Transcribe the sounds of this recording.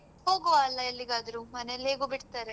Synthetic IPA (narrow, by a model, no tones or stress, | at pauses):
ɦoːɡoʋaːlːɐelːiɡaːd̪ɐɾumɐneleːɡuːbiɽt̪aːɾe